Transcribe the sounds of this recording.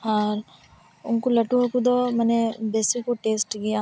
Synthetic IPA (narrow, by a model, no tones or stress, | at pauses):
aɾ | ʊnkulɐʈuɦokud̪omɛnebeːsikːuʈeːsʈkɪjaː